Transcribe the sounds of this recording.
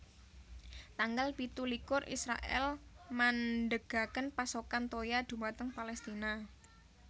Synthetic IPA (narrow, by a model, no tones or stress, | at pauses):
t̪aŋɡalpit̪ulikʊrʔḭsɾa̰ʔɛ̰lmanɖəɡ̥a̤kənpasokant̪ojad̪̥ṳmat̪əŋpalɛst̪ina